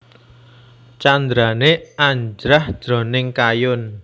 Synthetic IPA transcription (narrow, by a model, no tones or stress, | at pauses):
t͡ʃand̪ɾaneaɲd͡ʒɾahd̥d̥ɾɔ̤nɪŋkajʊn